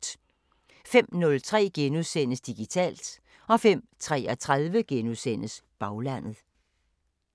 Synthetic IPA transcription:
d̥ | fem̰nɔ̽lt͡sʰʁɛ̰ːɡ̥enusen̰əsd̥iɡ̥it͡sʰɛ̰ːld̥ | ɒ̽fem̰t͡sʰʁɛ̰ːɒt͡sʰʁaðˠʋəɡ̥enusen̰əsb̥ɑ̈ʊlæn̰ð̩ˠ

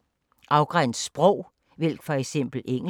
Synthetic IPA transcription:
ʔɑ̈ʊɡ̥ʁan̰d̥sb̥ʁɔʊ̰ | ʋel̰ɡ̥fɒ̽eɡ̥sem̰b̥l̩eŋ̰

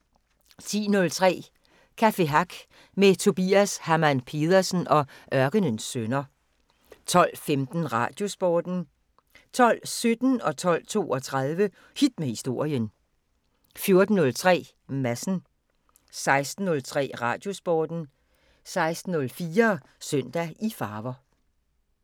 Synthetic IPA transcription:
t͡sʰḭːnɔ̽lt͡sʰʁɛ̰ː | kʰæfe̝ɦɑɡ̥ | met͡sʰo̝b̥ḭːæshæmænpʰe̝ːð̞ˠɐsən̩ʔɒ̽ʔɶɐɡ̥ənənsːønɐ | t͡sʰɒ̽l̰femd̥n̩ʁɑ̰̈d̥jo̝sb̥ɒːd̥n̩ | t͡sʰɒ̽l̰sød̥n̩ɒ̽t͡sʰɒ̽l̰t͡sʰo̝̰ːɒ̽t͡sʰʁɑð̞ˠʋə | hid̥̚mehisd̥o̝ɐ̰jən | fjo̝ɐd̥n̩ːɔ̽lt͡sʰʁɛ̰ː | mæsn̩ | sɑ̈ɪsd̥n̩ːɔ̽lt͡sʰʁɛ̰ːʁɑ̈ːd̥jo̝sb̥ɒːd̥n̩ | sɑ̈ɪsd̥n̩ɔ̽lfiːɐsœøn̰d̥æifɑ̈ːʋɐ

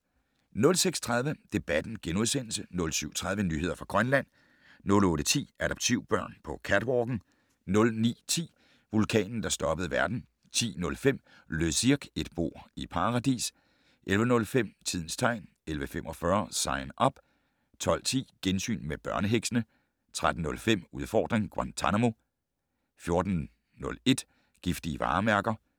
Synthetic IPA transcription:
nɔ̽lseɡ̥st͡sʰʁɑ̈ðˠʋəd̥e̝b̥æd̥n̩ɡ̥enuð̞ˠsen̰l̩sənɔ̽lsyʊ̰t͡sʰʁɑ̈ð̞ˠʋənyhe̝ð̞̰ˠɐfʁɑ̈ɡ̥ʁɶnlæn̰ | nɔ̽lɔ̽ːɾ̥ət͡sʰḭːæd̥ɒ̽b̥̚t͡sʰiʊ̰b̥ɶɐ̰npʰɒ̽kʰæd̥ʋɒːɡ̥n̩ | nɔ̽lnḭːt͡sʰḭː | ʋulkʰɛ̰ːnn̩d̥ɑ̈sd̥ɒ̽b̥əð̞̩ˠʋæɐd̥n̩ | t͡sʰḭːnɔ̽lfem̰ | løsiɐɡ̥e̝d̥b̥o̝ɐ̰ipʰɑ̈ːʁɑ̈d̥ḭːs | ʔelʋənɔ̽lfem̰t͡sʰið̰ˠn̩st͡sʰɑ̈ɪ̰n | elʋəfem̰ʔɒ̽fɶɐsɑ̈ɪnʔɒ̽b̥ | t͡sʰɒ̽l̰t͡sʰḭːɡ̥ensy̰ːnmeb̥ɶɐnəɦeɡ̥sənə | t͡sʰʁad̥n̩nːɔ̽lfem̰uð̞ˠfɒ̰ːd̥ʁeŋɡ̥ʁɑnt͡sʰænamo̝ | fjo̝ɐd̥n̩ | nːɔ̽le̝d̥ | ɡ̥ifd̥iəʋɑ̰̈ːmæɐɡ̥ɐ

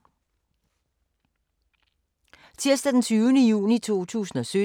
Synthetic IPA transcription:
t͡sʰiɐsd̥æd̥ent͡sʰyːʊnəjṵːnit͡sʰo̝̰ːt͡sʰṵːsn̩ɒ̽sø

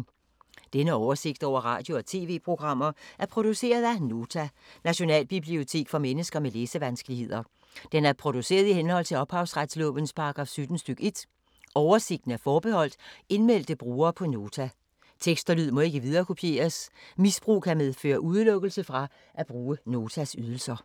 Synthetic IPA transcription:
d̥enəɒʊɐse̝ɡ̥̚d̥ɒʊ̰ɐʁɑ̈ːd̥jo̝ɒ̽t͡sʰe̝̰ːʋe̝̰ːpʰʁo̝ɡ̥ʁɑ̈m̰ɐʔæɐpʰʁo̝d̥use̝̰ːɐð̞̩ˠæno̝ːt͡sʰænæɕo̝nɛ̰ːlb̥ib̥lio̝t͡sʰe̝̰ːɡ̥fɒ̽menəsɡ̥ɐmeleːsəʋænsɡ̥əlihe̝ð̞̰ˠɐ | d̥enæɐpʰʁo̝d̥use̝̰ːɐð̞ˠihenhɒ̽l̰t͡sʰe̝lɒ̽b̥hɑ̈ʊsʁad̥slɔ̰̽ːʋənspʰɑ̈ːɡ̥ʁɑ̈fsyd̥n̩sd̥yɡ̥e̝d̥ | ɒʊɐse̝ɡ̥̚d̥n̩æɐfɒːb̥e̝hɒ̽l̰d̥e̝nmel̰d̥əb̥ʁuːɐːpʰɒ̽no̝ːt͡sʰæ | t͡sʰeɡ̥sd̥ɐlyð̞̰ˠmɒ̽e̝ɡ̥əʋið̞ˠɐːkʰo̝pʰje̝̰ːɐsmisb̥ʁṵːkʰæmeðˠfø̰ːɐʔuð̞ˠlɔ̽ɡ̥əl̩səfʁɑ̈ | ʔæb̥ʁuːəno̝ːt͡sʰæsyð̞ˠl̩sɐ

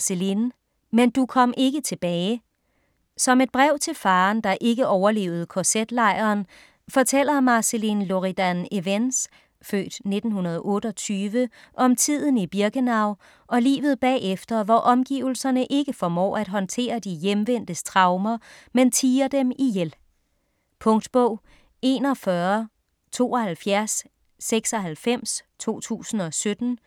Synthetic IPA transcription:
selin | mend̥ukʰɒ̽m̰ʔe̝ɡ̥ət͡sʰe̝b̥ɛːɪ | sɒ̽me̝d̥̚b̥ʁɛʊ̰t͡sʰe̝lfɑ̈ːnd̥ɑ̈ʔe̝ɡ̥əʔɒʊɐle̝̰ːʊð̞̩ˠkʰɒsed̥lɑ̈ɪ̰ɐːn | fɒ̽t͡sʰel̰ɐmɑ̈selinlo̝ʁid̥æneʋens | fø̰ːd̥ne̝d̥n̩hunɐð̞̩ˠʔɔ̽ːɾ̥əɒ̽t͡sʰyːʋəʔɒ̽mt͡sʰið̰ˠn̩ib̥iɐɡ̥ənɑ̈ʊ̰ | ɒ̽lḭːʋð̞̩ˠb̥ɛ̰ːefd̥ɐʋɒʔɒ̽mɡ̥ḭːʊl̩sɐnəʔe̝ɡ̥əfɒ̽mɒ̰ːæd̥ɦɒ̽nt͡sʰe̝̰ːɐd̥ijemʋen̰d̥əst͡sʰʁɑ̈ʊmɐment͡sʰiːɐd̥emijel | pʰɔ̽ŋd̥b̥ɔʊ̰ | e̝ːnɒfɶɐ | t͡sʰo̝̰ːɒ̽hælfjæɐsː | eɡ̥sɒ̽ɦælfem̰st͡sʰo̝̰ːt͡sʰṵːsn̩ɒ̽sød̥n̩

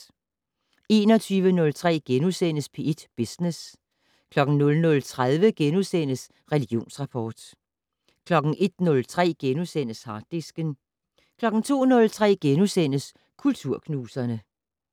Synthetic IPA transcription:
e̝̰ːnɒ̽t͡sʰyːʋənɔ̽lt͡sʰʁɛ̰ːɡ̥enusen̰əspʰe̝ed̥b̥isnes | kʰlɒ̽ɡ̥n̩nɔ̽lnɔ̽lt͡sʰʁaðˠʋəɡ̥enusen̰əs | ʁɛliɡ̥jo̝̰ːnsʁɑ̈pʰɒːd̥ | kʰlɒ̽ɡ̥n̩ʔe̝d̥nɔ̽lt͡sʰʁɛ̰ːɡ̥enusen̰əshɑ̈ːd̥ːisɡ̥ən | kʰlɒ̽ɡ̥n̩t͡sʰo̝̰ːnɔ̽lt͡sʰʁɛ̰ːɡ̥enusen̰əs | kʰult͡sʰuɐ̰kʰnuːsɐnə

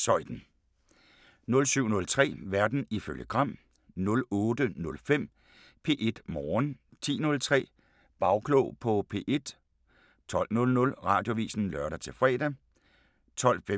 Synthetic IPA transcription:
sɒ̽ɪ̰d̥n̩ | nɔ̽lsyʊ̰nɔ̽lt͡sʰʁɛ̰ːʋæɐd̥n̩iføljəɡ̥ʁɑ̈m̰ | nɔ̽lɔːdənɔ̽lfem̰ | pʰe̝̰ːʔe̝d̥mɒːn | t͡sʰḭːnɔ̽lt͡sʰʁɛ̰ː | b̥ɑ̈ʊkʰloʊpʰɒ̽pʰe̝̰ːʔe̝d̥ | t͡sʰɒ̽l̰nɔ̽lnɔ̽lʁɑ̈ːd̥jo̝ʋḭːsn̩lɶɐɾɐt͡sʰe̝lfʁɛ̰ːdɛ | t͡sʰɒ̽l̰fe

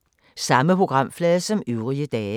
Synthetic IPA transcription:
sɑ̈məpʰʁo̝ɡ̥ʁɑ̈m̰flɛːðˠsɒ̽myʊʁiəd̥ɛː

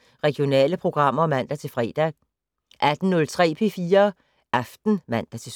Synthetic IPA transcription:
ʁɛɡ̥jo̝nɛ̰ːləpʰʁo̝ɡ̥ʁɑ̈m̰ɐmæn̰d̥æt͡sʰe̝lfʁɛ̰ːd̥æ | ʔæd̥n̩nɔ̽lt͡sʰʁɛ̰ːpʰe̝fiːɐ | ʔɑfd̥n̩mæn̰d̥æt͡sʰe̝

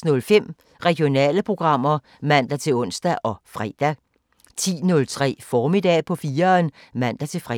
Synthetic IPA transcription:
nɔ̽lfem̰ | ʁɛɡ̥ijo̝nɛ̰ːləpʰʁo̝ɡ̥ʁɑ̈m̰ɐ | mæn̰d̥æt͡sʰe̝lɔ̽n̰sd̥æʔɒ̽fʁɛ̰d̥æ | t͡sʰḭːnɔ̽lt͡sʰʁɛ̰ːfɒːmid̥ɛ̰ːpʰɒ̽fiːɐnmæn̰d̥æt͡sʰe̝fʁ

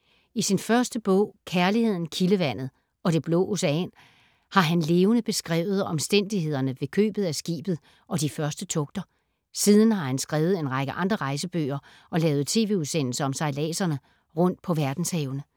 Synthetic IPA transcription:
isinfɶɐsd̥əb̥ɔ̰̽ʊ̰kʰæɐlihe̝ð̞̰ˠn̩kʰiləʋæn̰ð̩ˠ | ɒ̽ɾ̥e̝b̥lɔ̰ːoseɛ̰n | hɑ̈ɦænle̝ːʊnəb̥e̝sɡ̥ʁɛ̰ːʊð̞̩ˠɒ̽msd̥en̰d̥ihe̝ð̞̰ˠɐnəʋe̝kʰø̰ːb̥ð̞̩ˠæsɡ̥ḭːb̥ð̞̩ˠ | ʔɒ̽d̥ifɶɐsd̥ət͡sʰɔ̽ɡ̥̚d̥ɐ | siːðˠn̩hɑ̈hænsɡ̥ʁɛːʊð̩ˠe̝nʁɑ̈ɡ̥əʔɑ̈nd̥ʁɐʁɑ̈ɪsəb̥ø̰ːɐ | ʔɒ̽lɛːʊð̞̩ˠt͡sʰe̝̰ːʋe̝̰ːuðˠsen̰l̩səɒ̽msɑ̈ɪlɛ̰ːsɐnə | ʁɔ̽n̰d̥̚pʰɒ̽ʋæɐd̥n̩shɛːʊnə

